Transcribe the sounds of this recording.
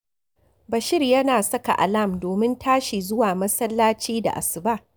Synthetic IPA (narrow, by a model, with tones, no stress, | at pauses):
bɐ˨ʃɪ˦rjɐ˦naː˨sɐ˦ka̰˨ʔa̰˨la˦˨mdoː˨mɪ˦ntʰaː˦ʃi˨zʊ˦waː˨mɐ˦sɐ˦lːaː˦t͡ʃiː˦da̰˨ʔa˨sɪ˨ba˦ʔ